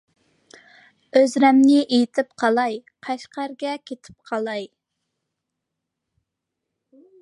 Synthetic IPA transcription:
øzɾɛmnɪʔejt̪ʰɪpqʰɑlˠɑjqʰɑʃqʰæɾɡʲɛkʲʰet̪ʰɪ̥p̚qʰɑlˠɑj

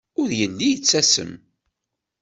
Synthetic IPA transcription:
ʊɾjənːijət͡sːæsə̰m

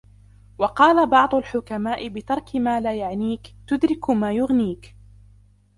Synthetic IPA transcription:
wɑqɑːlabɑʕd̪ˤʊlħʊkamaːʔɪbɪt̪ɑɾˤkɪmaːlaːjaʕniːkt̪ʊd̪ɾɪkmaːjʊɣniːk

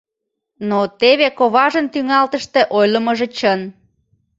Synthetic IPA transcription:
not̪eβekoβɑʒənt̪yŋɑlt̪əʃt̪ĕʔojləməʒet͡ɕən

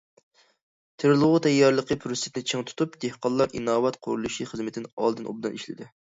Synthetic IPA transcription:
t̪ʰeɾlˠʊʁʊt̪ʰɛjːɑɾlˠəqəpʰɾosɪ̥t̪nɪt͡ʃʰeŋt̪ʰu̥t̪ʰupd̪ehqɑnlˠɑɾinɑːwɑt̪qʰʊ̰ɾulˠuʃiχəzmɪt̪ʰɪnɑ̰lˠd̪ɨnʔṵb̚d̪ɨniʃlɪ̰d̪ɪ

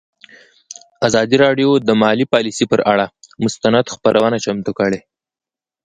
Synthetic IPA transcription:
azɑd̪iɾɑɖjod̪əmɑlipɑlisipəɾʔaɽamʊst̪anad̪xpaɾʔawənat͡ʃamt̪ukəɽe

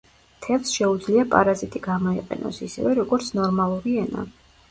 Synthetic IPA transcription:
t̪ʰɛvsʃɛud̪zliapʼa̰ɾazit̪ʼiɡ̥amɔiqʼɛ̰nɔ̰sisɛ̰vɛɾɔɡɔɾt̪sʰnɔɾmalˠuɾiɛna̰

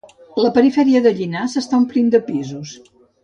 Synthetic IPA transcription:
ləpəɾifɛɾiəðəʎinasəst̪aumplind̪əpizus

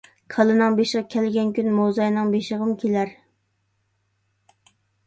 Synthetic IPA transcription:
kʰɑlˠɨnɨŋbeʃəʁkʲʰɛlɡʲɛnkʲynmozɑjnɨŋbeʃəʁəmkʲʰelæɾ

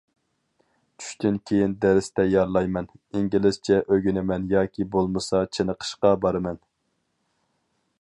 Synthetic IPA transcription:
t͡ʃʰy̥ʃt̪ynkʲʰejind̪ɛɾɪst̪ɛjɑɾlˠɑjmɛniŋɡʲilɪz̥t͡ʃʰɛʔøɡʲynɪmɛnjɑːkʲʰibolˠmɨsɑt͡ʃʰenəqʰə̥ʃqɑbɑɾɨmɛn

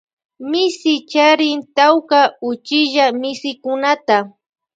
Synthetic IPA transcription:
mɪsɪt͡ʃaɾɪnt̪awkaʊt͡ʃɪʒamɪsɪkʊnat̪a

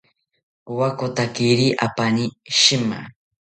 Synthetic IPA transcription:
wakot̪akiɾiʔa̰paniʃɪma̰

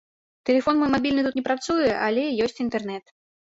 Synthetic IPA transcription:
t̪ɛlʲɛfɔnmɔjmabʲilʲnɨt̪ut̪nʲɛpɾat̪sujɛʔalʲɛjɔsʲt͡sʲint̪ɛrnɛt̪

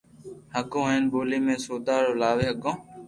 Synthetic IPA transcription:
həkõːɦeːnboːleːmẽːsoːd̪aːɾoːlaːʋeːɦəɡõː

